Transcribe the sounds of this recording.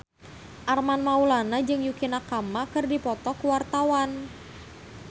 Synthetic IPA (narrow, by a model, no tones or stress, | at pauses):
ʔarmanmaulanad͡ʒɨŋjukinakamakɨrdipɔt̪ɔkuwart̪awan